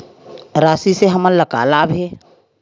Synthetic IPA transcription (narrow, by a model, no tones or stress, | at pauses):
ɾaːsiseɦəmələka̰ːlabʱeː